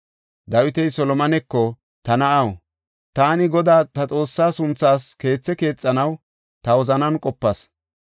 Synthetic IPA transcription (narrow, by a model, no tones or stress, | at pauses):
d̪ɐwɪt̪ɛjsɔlɔmɐnɛkːɔ | t̪ɐnɐʔɐw | t̪aːnɪɡɔd̪aːt̪ɐt͡sʼo̞ːsːaːsʊnt͡sːaːske̞ːt͡sːɛke̞ːt͡sʼːɐnɐw | t̪ɐwɔzɐnɐnkʼɔpːɐs